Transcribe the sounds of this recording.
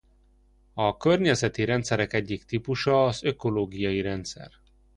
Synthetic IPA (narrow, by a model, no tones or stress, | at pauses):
ɒkørɲɛzɛt̪iɾɛnt̪sɛɾɛkɛɟːikt̪ipuʃɒːzø̞ko̞loːɡijɒiɾɛnt̪sɛ̰r